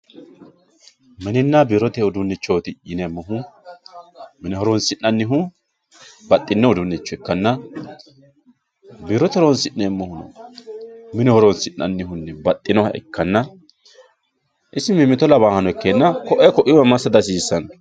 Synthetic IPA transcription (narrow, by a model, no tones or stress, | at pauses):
mɛnɪnːɐbiɾɔt̪ɛɔd̪ʊnːɪt͡ʃːoːt̪ɪɪnɛmːɔɦʊ | mɪnɛhɔɾɔnsɪnːɐnːɪɦʊ | bɐt̪ʼːɪnːɛɔd̪ʊnːɪt͡ʃːɔɛkːɐnːɐ | biɾɔt̪ɛɾɔnsɪnːɛmːɔhʊnɔ̰ | mɪnɛhɔɾɔnsɪnːɐ̰nːɪhʊnːɛbɐt̪ʼːɪnɔhɐ̰ɛ̰kːɐnːɐ | ʔɪsɪmɪmːɪt̪ɔlɐbaːhɐnɔɛkːeːnːɐkɔʔɛkɔʔɪwɐmɐsːɐd̪ɐs̬iːsːɐn